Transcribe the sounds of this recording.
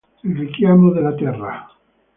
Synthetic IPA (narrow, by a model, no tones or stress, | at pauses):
elrikjamoðelat̪ɛra